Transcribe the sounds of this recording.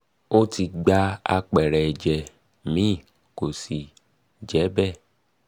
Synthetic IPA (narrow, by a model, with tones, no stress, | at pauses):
o˦ti˧ɡ͡ba˧a̰˧k͡pɛ˨ɾɛ˨d͡ʒɛ˨ | mĩ˦˨ | ko˨si˨ | d͡ʒɛ˨˦bɛ˦˨